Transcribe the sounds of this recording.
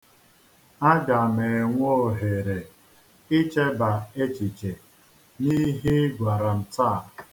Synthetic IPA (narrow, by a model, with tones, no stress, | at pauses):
a˦ɡa˨me˨e˨ŋʷo˦˨ɦe˨ɾe˨ | i˦t͡ʃe˦ba˨e˦t͡ʃi˨t͡ʃe˨ | ni˦ɦi˦ɡʷa˨ɾa˨n̩˨ta˦˨